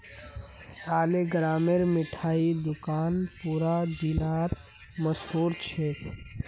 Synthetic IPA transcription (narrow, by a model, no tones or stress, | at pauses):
saːleɡɾaːmeɾmɪʈʰaːid̪ʊkaːnpuːɾad͡ʒilaːt̪ | məsɦuːɾt͡ʃʰe